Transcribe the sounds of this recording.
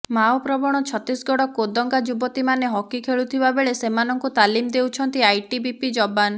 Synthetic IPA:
mawpɾɔbɔɽ̃ɔt͡ʃʰɔt̪isɡɔɽɔkod̪ɔŋɡad͡ʒubɔt̪imaneɦɔkikʰeɭut̪ʰibabeɭesemanɔŋkut̪alimd̪ewt͡ʃʰɔnt̪iajʈibipid͡ʒɔban

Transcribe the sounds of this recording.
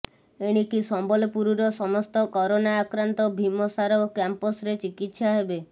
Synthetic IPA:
eɽ̃ikisɔmbɔlɔpuɾuɾɔsɔmɔst̪ɔkɔɾonaːkɾant̪ɔbʱimɔsaɾɔkampɔsɾet͡ʃikit̪saɦebe

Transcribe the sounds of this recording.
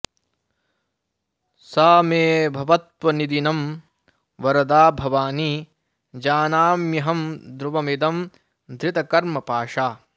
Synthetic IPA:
saːmeːbʱɐʋɐt̪ʋɐnid̪inɐm | ʋɐɾɐd̪aːbʱɐʋaːni | d͡ʒaːnaːmjɐɦɐmd̪ɾuʋɐmid̪ɐm | d̪ʱɾɪt̪ɐkɐɾmɐpaːʂaː

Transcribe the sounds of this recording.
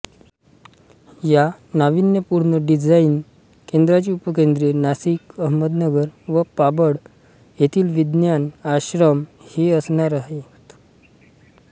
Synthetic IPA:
ja | naʋinjəpuɾɳəɖid͡zain | kend̪ɾat͡ɕiːupəkend̪ɾenasikəɦməd̪nəɡəɾʋəpabəɽ | jet̪ʰiːlʋid̪njanaɕɾəmheəsɳaɾaɦet̪

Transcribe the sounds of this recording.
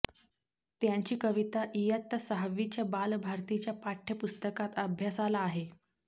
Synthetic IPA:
t̪jãɲt͡ɕiːkəʋit̪aʔijət̪ːəsəɦʋit͡ɕjabalbʱaɾt̪it͡ɕjapaʈʰːjəpust̪əkat̪əbʱjasalaːɦe

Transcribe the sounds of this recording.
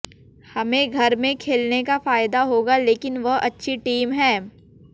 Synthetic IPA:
hɐmẽɡʱɐɾmẽkʰeːlnekafaːjd̪aɦoːɡaleːkɪnʋɐɦʔɐtːʃʰiʈiːmɦɛ̃ː

